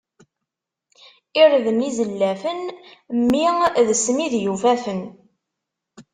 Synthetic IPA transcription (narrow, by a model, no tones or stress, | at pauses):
iɾðənizəlːæfənmːiðəsmiðjuvæfən